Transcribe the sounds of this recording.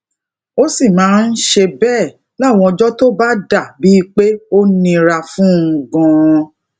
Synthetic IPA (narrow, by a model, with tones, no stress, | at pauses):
o˦si˦˨mãː˨˦n̩˦ʃe˧bɛː˦˨ | la˦˨w̃ɔ̃˧ɔ˧d͡ʒɔ˦to˦ba˦da˦˨bi˨˦˧k͡pe˦o˦nĩ˧ɾa˧fũ˦˧ɡɔ̃˧